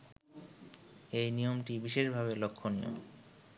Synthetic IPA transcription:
ejnijomʈibiʃeʃbʱaβelokʰːonijo̰m

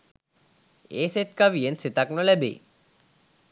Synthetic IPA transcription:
eːset̪kaʋijensit̪aknolɛbḭ

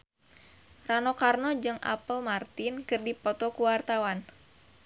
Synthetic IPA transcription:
ranɔkarnɔd͡ʒɨŋʔa̰pəlmart̪ɪnkɨrdipɔt̪ɔkuwart̪awan

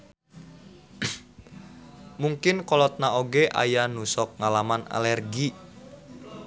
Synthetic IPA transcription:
muŋkɪnkɔlɔt̪̚naoɡeʔa̰janusɔk̚ŋalamana̰lɛrɡi

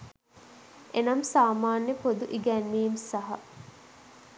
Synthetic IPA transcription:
ʔenɐmsaːmaːnːepod̪uʔiɡænːiːmsɐɦɐ

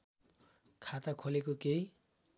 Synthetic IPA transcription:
kʰat̪akʰolekokej

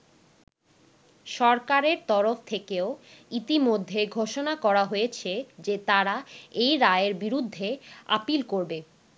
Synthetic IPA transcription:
ʃɔɾkaɾeɾt̪ɔɾoft̪ʰekeoit̪imod̪ʱːeɡʱoʃonakɔɾaɦojet͡ɕʰed͡ʑet̪aɾaejɾaeeɾbiɾud̪ʱːea̰pilkoɾbe

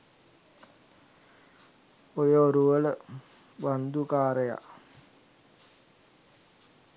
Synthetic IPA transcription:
ojəoɾuʋələ | ʋand̪ukaːɾəja̰

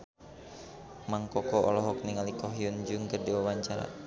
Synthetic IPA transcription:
maŋkɔkɔɔ̰lɔɦɔk̚niŋalikɔɦjɔnd͡ʒuŋkərdiwawaɲt͡ʃaɾa̰

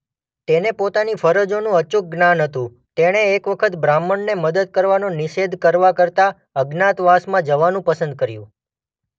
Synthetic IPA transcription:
t̪enepot̪anifəɾəd͡ʒonũət͡ʃuk̚ɡnanɦət̪ũ | t̪eɽ̃eːkʋəkʰət̪bɾamːəɳneməd̪əd̪̚kəɾʋanũnɪʃed̪ʱkəɾʋakəɾt̪a | əɡnat̪ʋasmãd͡ʒəʋanũpəsənd̪̚kəɾjṵ̃

